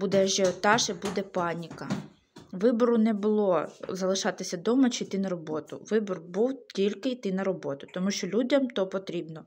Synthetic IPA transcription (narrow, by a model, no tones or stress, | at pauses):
bud̪ɛʒɛɔt̪ɑʃɪbud̪ɛpɑnʲikɐ | ʋɪbɔɾʊnɛbʊlˠɔzɐlˠɪʃɑt̪ɪsʲɐd̪ɔmɐt͡ʃɪjt̪ɪnɐɾɔbɔt̪ʊ̰ʋɪbɔrbuwtʲilʲkɪjt̪ɪnɐɾɔbɔt̪ʊ̥t̪ɔmuʃt͡ʃɔlʲudʲɐmt̪ɔpɔt̪ɾʲibnɔ